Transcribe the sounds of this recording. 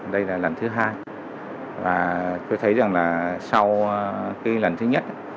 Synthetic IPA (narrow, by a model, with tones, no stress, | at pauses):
ɗə˧jlaː˨˩lə˨˩nt̪ʰɨ˨˦ɦaː˧j | vaː˨˩t̪o˧jt̪ʰə˨˦jza˨˩ŋlaː˨˩sa˧wkaː˨˦jlə˨˩nt̪ʰɨ˨˦ɲə˦˥t̚ʔa˨˦